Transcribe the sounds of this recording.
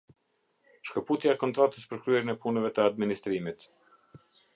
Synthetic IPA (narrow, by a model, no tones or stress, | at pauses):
ʃkəput̪jaɛkɔnt̪ɾat̪əspəɾkɾyɛɾinɛpunɛvɛt̪əad̪minist̪ɾimit̪